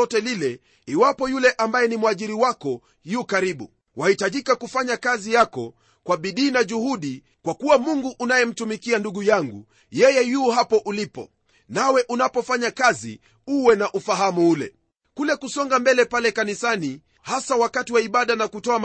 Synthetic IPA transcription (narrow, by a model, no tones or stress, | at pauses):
ɔtɛlilɛ | iwapɔjulɛʔambajɛnimwaʄiɾiwakɔ | juːkaɾiɓṵ | wʔahitaʄikakufaɲakazijakɔ̰ | kwaɓiɗiːnaʄuhuɗi | kwakuwamuŋɡuʔːnajɛm̩tumikianduɠujaŋɡṵ | jɛjɛjuːhapɔʔulipɔ̰ | nawɛʔunapɔfaɲakazḭ | uwɛnaʔufaɦamuulɛ̰ | kulɛkusɔŋɡambɛlɛpalɛkanisani | hasawakatiwaiɓaɗanakutɔam